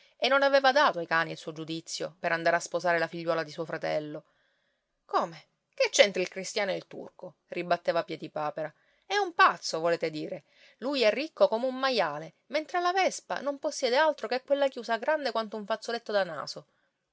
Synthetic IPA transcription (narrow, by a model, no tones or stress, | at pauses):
enːonaveːvad̪aːt̪oajkaːniilsuːod͡ʒud̪it̪sːjo̰peɾand̪aːɾeaspozaːɾelafiʎːwɔːlad̪isuːofɾat̪ɛ̰lːo | koːme | ket͡ʃːent̪ɾilkɾist̪jaːnoelt̪ṵrko | ribat̪ːeːvapjɛd̪ipaːpeɾa | ɛumpat̪sːovoleːt̪ed̪iːɾe | lujɛrːikːokomeumːajaːle | ment̪ɾealːavɛspa̰nomposːjɛːd̪ealt̪ɾokekːwelːakjuːsaɡɾand̪ekwant̪ouɱfat̪sːolet̪ːod̪ana̰ːso